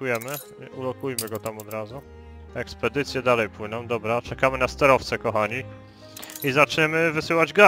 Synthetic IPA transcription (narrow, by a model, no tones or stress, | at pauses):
ujɛmɘ | ulɔkujmɘɡɔt̪amɔd̪ɾazu | ɛkspɛd̪ɘt̪sʲjɛd̪alɛjpwɘnɔ̃w̃d̪ɔbɾat͡ʂɛkamɘnast̪ɛɾɔft̪sɛkɔxaɲi | izat͡ʂɲɛmɘvɘsɘwad͡ʑɡa